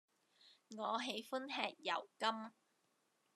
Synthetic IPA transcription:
ŋɔː˨˧ɦe˨˧˥jfʊ˥nɦɛː˨˧k̚jɐ̰˨˩wkɐ˥m

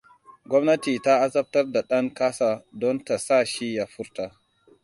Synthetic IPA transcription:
ɡɔ˦mna˦ti˨ta˦ʔa˦za˦p̚ta˦ɾda˨ɗa˦ŋka˦sa˨dɔ˦nta˨sa˦ʃi˦ja˨fu˦ɾta˨

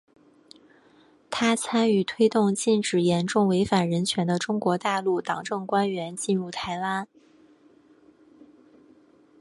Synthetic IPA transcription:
t̪ʰa˥t͡sʰa˥ny˨˩t̪ʰwe˥ɪt̪ʊ˥˧ŋt͡ɕi˥˩nʈ͡ʂɻ̩˨˩jɛ˧˥nʈ͡ʂʊ˥˩ŋwe˧˥ɪfa˨˩nɻə˧˥nt͡ɕʰɥɛ˧˥nd̪ə˧ʈ͡ʂʊ˥ŋkwɔ˧˥t̪a˥˧lu˥˩t̪ɑ˨˩ŋʈ͡ʂɤ˥˩ŋkwa˥nɥɛ˧˥nt͡ɕi˥˧nɻu˥˩t̪ʰa˧˥ɪla˥

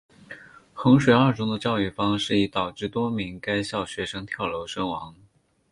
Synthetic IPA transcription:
xɤ˧˥ŋʂwe˨˩a˞˥˩ʈ͡ʂʊ˥ŋd̪ə˨t͡ɕjɑ˥˧ʊy˥˩fɑ˥ŋʂɻ̩˥˩i˧˥t̪ɑ˨˩ʊʈ͡ʂɻ̩˥˩t̪wɔ˥mi˧˥ŋka˥ɪɕjɑ˥˩ʊɕɥɛ˧˥ʂɤ˥ŋt̪ʰjɑ˥˩ʊlo˧˥ʊʂɤ˥ŋwɑ˧˥ŋ

